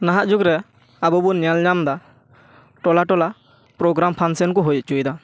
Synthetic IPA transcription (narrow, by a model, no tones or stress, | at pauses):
naɦaʔd͡ʒukɾɛ | abɔbunijalɲamd̪a | ʈɔlaʈɔla | pɾɔɡɾampʰansɛnkɔɦɔjʔt͡ʃujd̪a